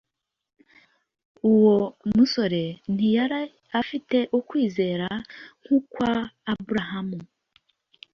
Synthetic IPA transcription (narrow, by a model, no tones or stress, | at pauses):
uwomuso̞ɾe̞n̥ijaɾa | afite̞ʔukwiːze̞ːɾaŋ̥huːkwaːbuɾaɦamu